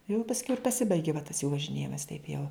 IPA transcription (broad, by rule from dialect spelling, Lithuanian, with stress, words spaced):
jɛʊ pɐsʲˈkʲɛʊ ɪr pɐˈsʲɪbɐɪɡʲɪ ʋɐ tɐs juː ʋɐʒʲɪˈnʲeːjɪmɐs tɐɪp jɛʊ